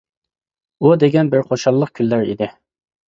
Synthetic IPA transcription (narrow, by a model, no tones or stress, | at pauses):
ud̪eɡʲɛnbɪɾqʰoʃɑlˠːəq̚kʲʰylːæɾḭd̪ɪ